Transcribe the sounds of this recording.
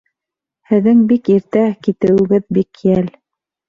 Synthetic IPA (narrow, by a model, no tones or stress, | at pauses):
hɘ̆ðːɘŋbikiɾt̪ækit̪ɘ̆wɘ̆ɡɘðbikːijæl